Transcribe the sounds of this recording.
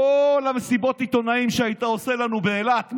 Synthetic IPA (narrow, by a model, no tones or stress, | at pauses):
olamesibo̞t̪it̪o̞naimʃeait̪aose̞lanubeːlat